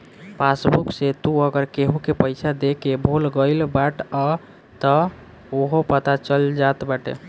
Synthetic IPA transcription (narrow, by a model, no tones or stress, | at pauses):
pasbukset̪uəɡəɾkeɦukepəɪsʰad̪ekebʱolɡəɪlbaʈə | t̪ə | oɦopət̪at͡ʃəld͡ʒat̪baʈḛ